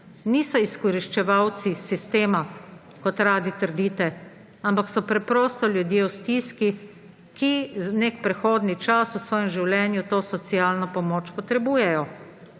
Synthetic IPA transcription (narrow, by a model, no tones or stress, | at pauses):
niːsɔiskɔɾiʃt͡ʃɛʋawt̪sisist̪eːma | kɔt̪ɾaːd̪it̪əɾd̪iːt̪ɛ | ampaksɔpɾɛpɾɔːst̪ɔljud̪jeːust̪iːski | kiznekpɾɛxoːd̪nit͡ʃasusʋɔːjɛmʒiwljɛːnjut̪oːsɔt̪siaːlnɔpɔmoːt͡ʃpɔt̪ɾɛbuːjɛjɔ